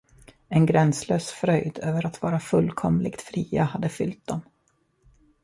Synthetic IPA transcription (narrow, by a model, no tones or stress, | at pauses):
ɛnɡɾɛnsløːsfɾœjd̪øːvəɾat̪vɑːɾafɵlːkʰɔmlɪɡt̪fɾiːahad̪ːəfʏlt̪̚d̪ɔm